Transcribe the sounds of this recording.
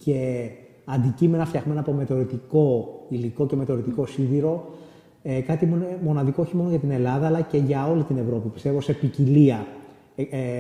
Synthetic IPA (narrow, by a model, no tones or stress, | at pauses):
ce̞ | ɐnd̪icime̞nɐft̪çɐɣme̞nɐpo̞met̪o̞ɾit̪iko̞iliko̞ceme̞t̪o̞ɾit̪iko̞siðiɾo̞ | ekɐt̪iunemo̞nɐðiko̞oçimo̞noʝɐt̪ine̞lɐðɐːlɐce̞ʝɐo̞lit̪ine̞vɾo̞pipist̪e̞vo̞se̞piciliɐ